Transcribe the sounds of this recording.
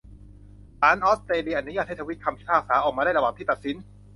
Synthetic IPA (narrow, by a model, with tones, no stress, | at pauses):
t̪aː˨˦˥nʔɔː˦˥st̪ɾeː˧li˧ʔa˧˩nːu˦jaː˥˩ht̪ʰa˧wi˦˥t̪̚kʰa˧mp̪ʰiː˥˩pʰaː˥˩saː˩˦ʔɔː˨˩k̚mː˧ɾaː˥˩jɾa˧waː˨˩ŋt̪i˥˩t̪t̪̚si˨˩˦n